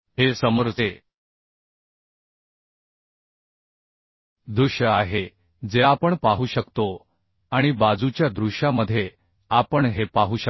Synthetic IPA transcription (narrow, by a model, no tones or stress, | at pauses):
ɦesəməɾd͡ze | d̪ɾuɕəaɦe | d͡zeapəɳpaɦuːɕəkt̪o | aɽ̃ibad͡zut͡ɕjad̪ɾuɕaməd̪ʱːje | apəɳɦepaɦuːɕə